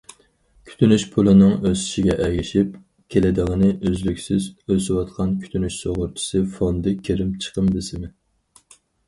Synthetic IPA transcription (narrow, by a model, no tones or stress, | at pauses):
kʲʰy̥t̪ʰynyʃpʰulˠɨnɨŋøsi̥ʃiɡʲɛʔɛɡʲiʃip̚ | kʲʰelɪd̪əʁənɨʔøzlykʲsɪzøsɪwɑt̪qʰɑnkʲʰy̥t̪ʰynyʃsoʁʊɾt͡ʃʰi̥sɨfond̪ɨkʲʰeɾɪmt͡ʃʰə̥qʰəmd̪ɪsɪmɪ